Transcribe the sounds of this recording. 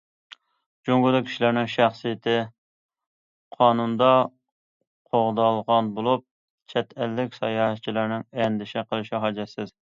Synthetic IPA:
d͡ʒoŋɡʊd̪ɨkʲʰi̥ʃilæɾnɪŋʃæχsijɪt̪ʰɪ | qʰɑːnund̪ɑ | qʰoʁd̪ɑlˠʁɑnbolˠup̚ | t͡ʃʰɛt̪ʰælːɪkʲsɑjɑːɦɛt͡ʃʰilɪɾnɪŋɛnd̪ɪʃɛqʰəlˠɨʃɪɦɑd͡ʒɛsɪz

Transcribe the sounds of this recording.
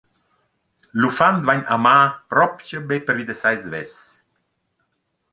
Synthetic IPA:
lufand̪vaɲamaːpɾɔpcəbepəɾvid̪əsajzvɛs

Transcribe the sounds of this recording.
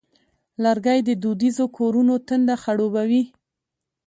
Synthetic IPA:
laɾɡajd̪əd̪ud̪izokʰoɾunot̪ənd̪axaɽobawi

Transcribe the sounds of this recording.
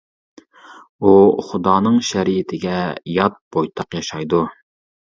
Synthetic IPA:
uχʊd̪ɑːnɨŋʃɛɾijɪt̪ʰɪɡʲɛjɑt̪̚b̥ojt̪ʰɑqjɑʃɑjd̪u

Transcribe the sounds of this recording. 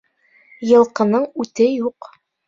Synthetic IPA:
jɤ̆lˠqɤ̆nɤɴʉt̪ɘjuq

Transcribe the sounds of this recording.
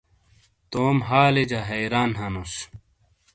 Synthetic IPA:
t̪oːmɦaːled͡ʑaɦɐjɾaːnɦɐnos

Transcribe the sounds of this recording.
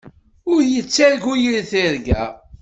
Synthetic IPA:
ʊɾjət͡sːæɾɡujəlθiɾɡæ̰

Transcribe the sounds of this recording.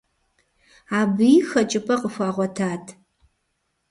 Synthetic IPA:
aːbɨjxɐt͡ʃʼɪpʰʼɐqəfʷaːʁʷɔtʰaːtʰ

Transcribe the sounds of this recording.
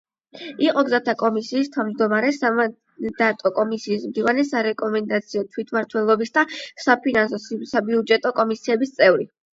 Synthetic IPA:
iqʼɔɡzat̪ʰakʼɔmisiːst̪ʰavmd͡ʒd̪ɔmaɾɛsaa | d̪at̪ʼɔkʼɔmisiːsmd̪ivanɛsaɾɛkʼɔmɛnd̪at̪sʰiɔt̪ʰwit̪ʰmaɾt̪ʰwɛlˠɔbisd̪asapʰinans̬ɔssabiud͡ʒɛt̪ʼɔkʼɔmisiɛbist̪sʼɛvɾi

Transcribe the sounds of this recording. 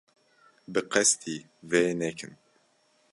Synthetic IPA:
bɨqɛst̪ʰiː | vɛnɛkʰɨn

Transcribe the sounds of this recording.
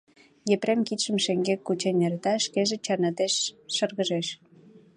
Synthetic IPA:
jepɾemkit̪ʃəmʃeŋɡekːut͡ɕenʲert̪ɑʃkeʒet͡ɕɑnɑt̪eʃːərɣəʒeʃ

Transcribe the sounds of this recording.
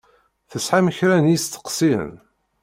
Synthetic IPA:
θəsħaməçɾænjist̪ːə̥qsiə̰n

